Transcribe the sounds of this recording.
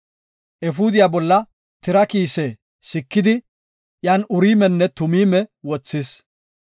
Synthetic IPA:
ʔɛfuːd̪ɪjaːbɔlːɐ | t̪ɪɾɐkiːsɛ | sɪkːɪd̪ɪ | jaːnʊɾiːmɛnːɛt̪ʊmiːmɛwɔt͡sːɪs

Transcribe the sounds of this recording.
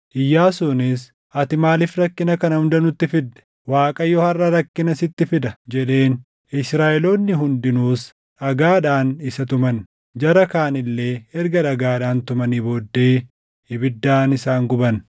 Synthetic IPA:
ʔɪjːaːsʊnɪs | ʔɐt̪ɪmaːlɪfɾɐkːɪnɐkɐnɐhʊnd̪ɐnʊt̪ːɪfɪd̪ːɛ̥ | waːkʼɐjoːhɐrːɐɾɐkːɪnɐsɪt̪ːɪfɪd̪ɐd͡ʒɛᶑe̞ːn | ɪsɾaːʔɛlo̞ːnːɪɦʊnd̪ɪnuːs | ᶑɐɡaːᶑaːnɪsɐt̪ʊmɐn | d͡ʒɐɾɐkaːnɪlːe̞ːɛɾɡɐᶑɐɡaːᶑaːnt̪ʊmɐniːbo̞ːd̪ːe̞ː | ɪbɪd̪ːaːnɪsaːŋɡʊbɐn

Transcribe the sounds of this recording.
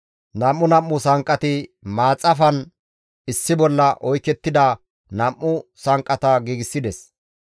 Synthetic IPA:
nɐmːʊnɐmːʊsɐŋkʼːɐt̪ɪmaːt͡sʼːɐfɐn | ɪsːɪbɔlːɐʔɔjkːɛt̪ːɪd̪ɐ | nɐmːʊsɐŋkʼːɐt̪ɐɡiːɡɪsːɪd̪ɛs

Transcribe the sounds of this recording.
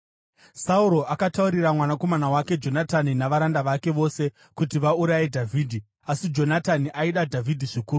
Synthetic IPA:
sauɾo̞ʔakatauɾiɾamwanako̞manawake̞d͡ʒo̞nataninaʋaɾandaʋake̞ʋo̞se̞ | kutiʋauɾajedʱavʱiːdʱi | asid͡ʒo̞nataniʔaiɗadʱavʱidʱiʐikuːɾu

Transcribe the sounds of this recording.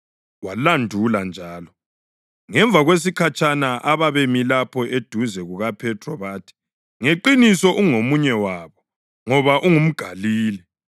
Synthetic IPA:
walandʱuland͡ʒʱaːlɔ | ŋɛɱb̪vʱaɣwes̬ikʰat͡ʃʰʼanaʔaβaβemilapʰɔʔed̥ʱuzɛɣuɣapʰɛtʰrɔβaːtʰi̥ | ŋeǃinisɔʔuŋomuɲɛwaːβɔ | ŋɔβaʔuŋum̩ɡ̥ʱaliːlɛ

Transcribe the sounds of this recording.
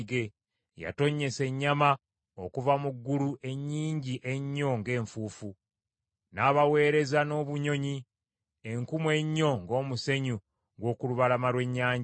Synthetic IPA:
ɡe̞ | ja̰to̞ɲe̞se̞ɲːama | o̞kuvamuɡːuluʔe̞ɲːiːɲɟiʔe̞ɲːo̞ŋɡe̞ːɱfuːfu | naːβawe̞ːɾe̞zano̞ːβuɲo̞ɲi | eŋkumwe̞ɲːo̞ŋɡo̞ːmuse̞ɲu | ɡwo̞ːkuluβalamalwe̞ɲːaːɲ

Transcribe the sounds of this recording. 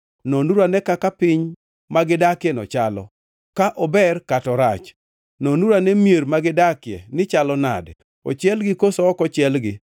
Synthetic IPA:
nɔnuɾanɛkakapɪɲ | maɡɪdakɪɛnɔ̰t͡ʃalɔ̰ | kaʔɔbɛrkatɔɾat͡ʃ | nɔnuɾanɛmjeɾmaɡɪdakɪɛ̰nɪt͡ʃalɔna̰d | ɔ̰t͡ʃɪɛlɡɪkosɔɔkɔt͡ʃɪɛlɡɪ

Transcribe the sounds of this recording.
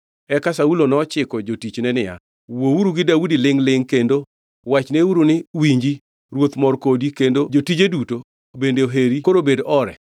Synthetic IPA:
ɛkasaulonɔt͡ʃɪkɔd͡ʒotit͡ʃnɛnɪja̰ | wouɾuɡɪdaudilɪŋlɪŋkendo | wat͡ʃneuɾunɪwiɲd͡ʒi | ɾwot̪mɔrkodikendod͡ʒotid͡ʒeduto | bendeoɦeɾikoɾobedɔɾɛ̰

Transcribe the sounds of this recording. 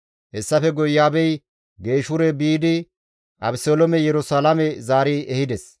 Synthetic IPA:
hɛsːɐfɛɡɔjːaːbɛj | ɡe̞ːʃʊɾɛbiːd̪ɪ | ʔɐbsolɔmɛjɛɾʊsaːlɐmɛzaːɾɪɛhɪd̪ɛs

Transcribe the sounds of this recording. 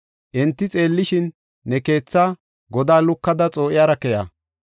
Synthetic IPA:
ʔɛnt̪ːɪt͡sʼe̞ːlːɪʃɪnː | ɛke̞ːt͡sːaː | ɡɔd̪aːlʊkːɐd̪ɐt͡sʼo̞ːʔɪjaːɾɐkɛja̰

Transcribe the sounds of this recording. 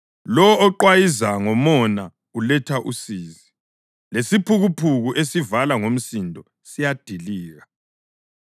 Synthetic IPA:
lɔːǃwajizaŋɔmɔna | ulɛtʰaʔusiːzi | lesipʰuɣupʰuɣuʔesivalaŋom̩sindʱɔ | sijad̥ʱiliːɣa

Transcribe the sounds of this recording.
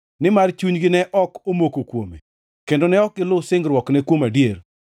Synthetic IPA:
nɪmart͡ʃuɲɡɪnɛʔɔkomokokwome | kendonɛɔkːɪlʊsɪŋɡɾwɔknɛkwomadjer

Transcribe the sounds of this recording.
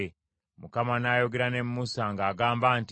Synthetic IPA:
mukamanaːjo̞ɡe̞ɾane̞mːusaŋɡaːɡaːmbaːnt

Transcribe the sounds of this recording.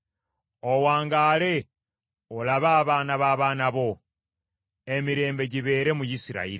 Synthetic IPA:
owaːŋɡaːle̞ | olaβaːβaːnaβaːβaːnaβo̞ | e̞miɾe̞ːmbe̞ɟiβe̞ːɾe̞mujisiɾa̰iɾi

